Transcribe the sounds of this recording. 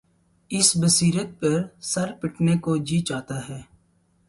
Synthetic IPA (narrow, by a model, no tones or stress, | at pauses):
ɪsbəsiːɾət̪̚pɐɾsɐɾpɪʈnekod͡ʒiːt͡ʃaːt̪aɦɛː